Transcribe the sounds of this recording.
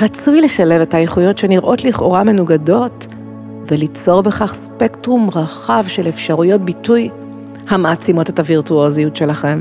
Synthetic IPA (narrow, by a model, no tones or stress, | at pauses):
ʁat͡sujle̞ʃale̞ve̞tajeχujo̞tʃeniʁʔo̞tliχʔo̞ʁame̞nuɡado̞t | velit͡so̞ʁbe̞χaχspektʁumʁaχavʃelefʃaʁujo̞t̚bituj | hameat͡simo̞te̞taviʁtuozijutʃe̞laχe̞m